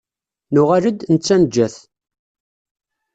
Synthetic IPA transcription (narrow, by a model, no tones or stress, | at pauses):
nʊʁaɾəd̪nət͡sːænd͡ʒːæθ